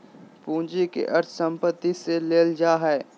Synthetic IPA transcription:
pũːd͡ʒikḛʔɐɾt̪ʰsə̃mpət̪ːiseleːld͡ʒaːɦɛː

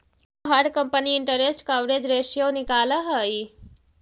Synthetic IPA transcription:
ɦaɾkəmpəniɪɳʈəɾesʈkaʋɾed͡ʒɾeːʃijonikaːləɦəji

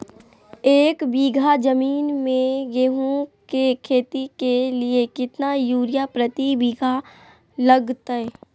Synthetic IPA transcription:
eːkbiːɡʱad͡ʒəmiːnmẽjeɦũkekʰeːt̪ikeliekɪt̪najuːɾjapɾət̪ibiːɡʱa | ləɡt̪aɦɛ

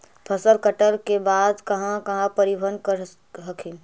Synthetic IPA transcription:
pʰəsəlkəʈəɾkebaːd̪kɐɦãkɐɦãpəɾibʱənkəɾ | ɦəkʰĩ

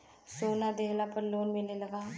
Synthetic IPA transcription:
soːnad̪eːɦlapəɾloːnmɪleləɡaː

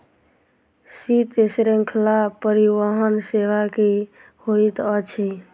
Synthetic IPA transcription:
sit̪esɾeŋkʰəlapəɾiʋəɦənseʋaki | hoit̪ət͡ʃʰi

